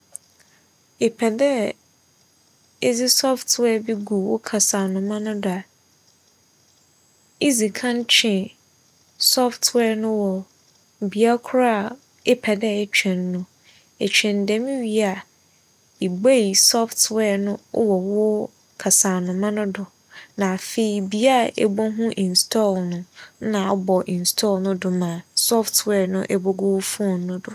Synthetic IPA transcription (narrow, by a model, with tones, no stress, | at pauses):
ɪ˨pʰɛ˨dɛ˦ | e˦zi˦sɔ˦ftwɛ˦˨bi˦ɡu˨wʊ˦kʰa˨saː˨nʊ̃˨mã˦nʊ̃˦dʊ˨a˨ | i˦zi˨kʰã˦n˦t͡ɕʰɪ̃˨ | sɔ˦ftʰwɛː˦˨nʊ̃˦wɔ˨ | bi˨a˦kʰʊ˦ɾa˦˨ | ɪ˦pʰɛ˨dɛ˦˨t͡ɕᶣʰɛ̃˨nːʊ̃˨ | ɛ˨t͡ɕᶣɛ̃˨ndɛ̃˨mĩ˦ɥi˨˦a˨ | i˨be˦i˨sɔ˦ftwɛ˦˨nʊ̃˦wɔ˨wʊ˦ | kʰa˨saː˨nʊ̃˨mã˦nʊ̃˦dʊ˨ | nã˨fe˨i˨bi˨a˦˨ɛ̰˨bɔ˦ɦũ˦ʔĩ˨n˨stʰɔ˦˨lnʊ̃˦nã˨ɔ˦bɔ˨ʔĩ˨n̩˨stʰɔ˦˨lnʊ̃˦dʊ˨mãː˨sɔ˦ftʰwɛ˦˨nʊ̃˦ʔɛ˨bɔ˦ɡʊ˦wfu˦ɔ˨nnːʊ̃˦dʊ˨